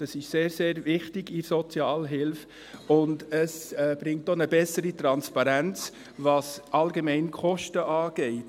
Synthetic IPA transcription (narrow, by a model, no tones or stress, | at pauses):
d̥ɑsɪʃseːɾseːɾvɪχtɪɡiɾsɔt͡sjɑːlɦɪlf | ʊndəsɛb̥ɾɪŋ̚tːonəbɛsəɾitɾɑnspɑɾænt͡s | vɑsʔɑlɡemɛɪnkʰχɔʃtəʔɑːɡ̥ɛɪt